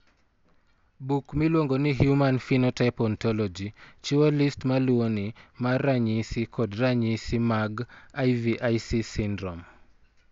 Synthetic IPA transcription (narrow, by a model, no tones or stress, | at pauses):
bukmilwoŋɡɔniɦjumanfinɔtajpɔntɔlɔd͡ʒit͡ʃualistmaluonimaɾaɲisikʰɔdɾaɲisimaɡajviʔajsisindɾɔm